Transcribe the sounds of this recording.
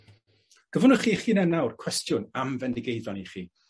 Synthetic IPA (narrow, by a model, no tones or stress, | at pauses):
ɡ̥əvʊnʊχiːχiːnɛnawrkʰw̥ɛstjʊnamvɛndɪɡejðɔniχiː